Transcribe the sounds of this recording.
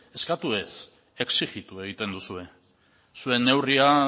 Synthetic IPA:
e̞skat̪ue̞s | e̞ksiɣit̪ue̞ɣ̞it̪e̞nd̪usue̞ | sue̞nːe̞wria

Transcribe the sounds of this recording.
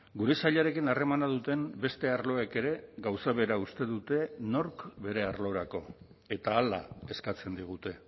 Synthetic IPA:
ɡuɾe̞saʎaɾe̞kinare̞manað̞ut̪e̞mbe̞st̪e̞aɾlo̞eke̞ɾe̞ɡawsaβe̞ɾaust̪e̞ðut̪e̞no̞ɾkbe̞ɾe̞aɾlo̞ɾako̞ | e̞t̪aːla̰e̞skat͡se̞nd̪iɣ̞ut̪e̞

